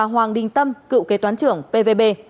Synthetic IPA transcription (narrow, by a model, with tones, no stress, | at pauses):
a˨˩ɦwaː˨˩ŋɗï˨˩ŋ̟t̪ə˧mkɨ̰˧˨wke˨˦t̪waː˨˦nt͡ɕɨ˧˩əŋpe˧ve˧ɓe˧